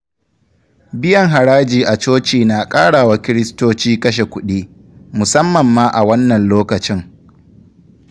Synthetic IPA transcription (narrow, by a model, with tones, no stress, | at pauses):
bɪ˦jɐ˨ŋɦa˨ɽaː˦d͡ʒiː˨ʔa˨t͡ʃoː˦t͡ʃiː˨naː˨kʼaː˦ɽaː˨wa˨˦kʲɪ˦ɾɪ˦stoː˦t͡ʃiː˦kɐ˦ʃ̬e˨kʷʊ˦ɗiː˦ | mʊ˨sɐ˦mːɐ˨mːaː˦ʔa˨wɐ˦nːɐ˨nloː˦kɐ˨t͡ʃɪ˦ŋ